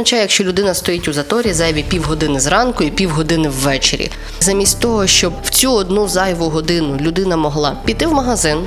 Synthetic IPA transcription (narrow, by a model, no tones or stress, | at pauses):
ɐt͡ʃɑjjɐkʃt͡ʃɔlʲʊd̪ɪnɐst̪ɔjitʲʊzɐt̪ɔɾʲizɑjɐʋʲipʲiwɦɔd̪ɪnɪzɾɑnkʊipʲiwɦɔd̪ɪnɪwːɛt͡ʃḛɾʲḭ | zɐmʲisʲtʲt̪ɔɦɔʃt͡ʃɔbw̥t͡sʲuɔd̪nuzɑjʋʊɦɔd̪ɪnʊlʲʊd̪ɪnɐmɔɦlˠɑ̰pʲit̪ɪwmɐɦɐzɪn